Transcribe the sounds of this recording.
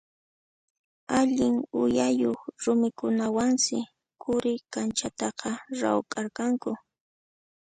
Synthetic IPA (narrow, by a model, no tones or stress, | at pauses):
aʎɪŋʊjajoχɾʊmɪkʊnawaŋsɪ | kʊɾɪkant͡ʃat̪ɑqɑɾa̰wkʼaɾkaŋkʊ